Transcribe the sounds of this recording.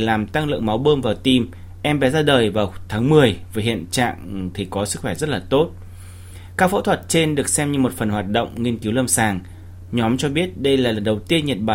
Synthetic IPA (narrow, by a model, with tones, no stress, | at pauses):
laː˨˩mt̪a˧ŋlɨ̰˧˨ŋma˨˦wɓəː˧nvaː˨˩wt̪i˧m | ʔɛ˧mɓɛ˨˦zaː˧ɗəː˨˩jvaː˨˩wt̪ʰaː˨˦ŋmɨ˨˩əjvəː˨˦ɦḭ˧˨ənt͡ɕa̰ː˧˨ŋt̪ʰi˨˩kɔ˨˦sɨ˦˥k̚xwɛ˧˩zə˦˥t̚laː˨˩t̪o˦˥t̚ | kaː˦˥k̚fo̰˧˥t̪ʰwə˨˩t̚t͡ɕe˧nɗɨ˨˩ək̚sɛ˧mɲɨ˧mo˨˩t̚fə˨˩nhwaː˨˩t̚ɗə̰˧˨wŋ͡mŋi˧ənki˨˦wlə˧msaː˨˩ŋ | ɲɔ˨˦mt͡ɕɔ˧ɓi˦˥ət̚ɗə˧jlaː˨˩lə˨˩nɗə˨˩wt̪i˧ənɲə˨˩t̚ɓaː˨